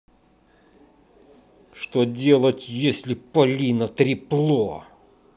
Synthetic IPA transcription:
ʂt̪odʲe̞lˠətʲjesʲlʲɪpɐlʲinət̪ɾʲɪplˠo

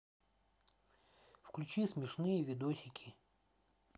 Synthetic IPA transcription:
fklʲʉt͡ɕismʲɪʂnɨjəvʲɪd̪osʲɪkʲʰi

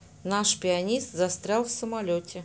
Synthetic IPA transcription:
naʂpʲɪanʲist̪zast̪ɾʲalˠfsəmalʲotʲe

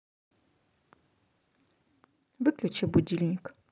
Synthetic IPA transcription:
vɨklʲut͡ʃɛbud̪ʲilʲnʲik

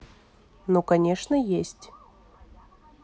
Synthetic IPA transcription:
nokɐnʲeʂnəjesʲtʲ

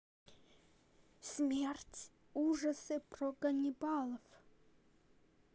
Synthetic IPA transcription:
smʲertʲ | uʐɐsɨprɔɡɐnʲɪbalˠɔf

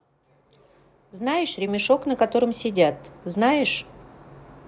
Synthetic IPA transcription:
znajɪʂɾʲɪmʲɪʂo̞knəkɐt̪o̞ɾɨmsʲɪdʲat̪znajɪʂ

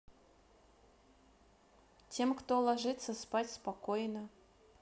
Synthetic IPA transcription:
tʲemkt̪olˠɐʐɨt̪sːəspatʲspɐkojnə

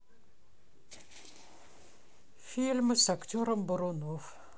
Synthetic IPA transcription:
fʲilʲmɨsakt̪ʲoɾəmbʊɾonof

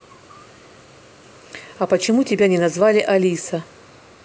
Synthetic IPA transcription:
ɐpət͡ɕɪmutʲɪbʲanʲɪnɐzvalʲɪʔɐlʲisɐ

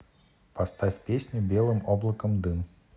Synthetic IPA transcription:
pɐst̪afʲpʲesʲnʲʊbʲelˠɨmoblˠəkəmd̪ɨm

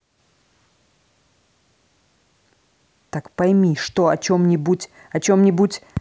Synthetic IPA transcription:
t̪akpɐjmʲiʂt̪oɐt͡ɕomnʲɪbutʲ | ɐt͡ɕomnʲɪbutʲ

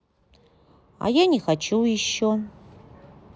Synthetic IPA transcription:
a̰janʲixat͡ʃujɪɕːo

